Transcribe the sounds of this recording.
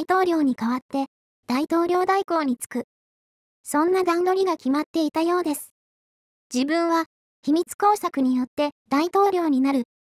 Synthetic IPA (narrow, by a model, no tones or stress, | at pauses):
it̪o̞ːɾʲo̞ːɲ̟ikaβ̞at̪ːe̞ | d̪̥ait̪o̞ːɾʲo̞ːd̪aiko̞ːɲ̟it͡sɨ̥kɯ̟ | sõ̞nːad̪ãŋɡ̪o̞ɾʲiɡakʲimat̪ːe̞it̪ajo̞ːd̪e̞sɨ̥ | d͡ʑibɯ̟̃ɰ̃βa | çʲimʲit͡sɨ̥ko̞ːsakɯ̟ɲ̟ijo̞t̪ːe̞d̪̥ait̪o̞ːɾʲo̞ːɲ̟inaɾɯ̟